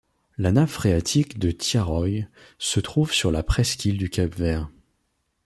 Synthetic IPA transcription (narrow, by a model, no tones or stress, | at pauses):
lanafχeat̪ʰikd̪ət̪jaʁɔj | sət̪χuvsyʁlapχɛskʲild̪ykʲapvɛʁ